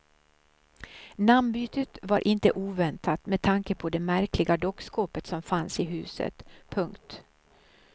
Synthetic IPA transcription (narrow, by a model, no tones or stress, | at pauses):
nambyːt̪ət̪vaɾʔɪnt̪əʔuːvɛnt̪ʰat̪mɛd̪̚t̪ʰaŋkəpʰɔd̪ɛmæɾklɪɡad̪ɔkskoːpət̪sɔmfansɪɦʉ̟̰ːsə̰t̪pʰɵŋkt̪